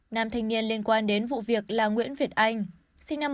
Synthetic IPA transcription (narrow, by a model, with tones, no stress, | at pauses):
naː˨˧˩mt̪ʰa˨˧jŋ̟ni˧ənli˧ənkwaː˧nɗe˨˦nvṵ˧˨vi˨˩ək̚laː˨˩ŋwḭ˧˥ənvi˨˩ət̚ʔa˧jŋ̟ | si˧ŋ̟naː˧m